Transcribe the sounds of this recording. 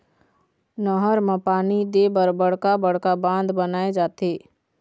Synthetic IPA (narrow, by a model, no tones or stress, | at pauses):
nəɦəɾmãpaːnid̪ebəɾbəɽ̤kabəɽ̤kabãːnd̪bənaːed͡ʒaːt̪eː